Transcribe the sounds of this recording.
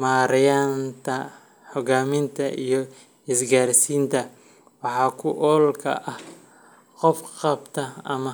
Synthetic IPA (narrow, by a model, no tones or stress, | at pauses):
maːɾɪjaːnt̪ʰɐ | ħɔɡaːmɪnt̪ʰɐʔijɞ | ɪsɡaːrsiːnt̪ʰɐ | wɑħɑːkʰʊʔɔːlkʰɐ̰ʔɐh | qɔfqɑbt̪ʰɐɐmɐ